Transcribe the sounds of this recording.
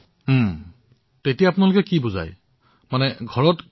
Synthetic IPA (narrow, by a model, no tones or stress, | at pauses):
tetijaːpʊnalʊkɛkibuza̰j | manɛɡʱɔɹɔt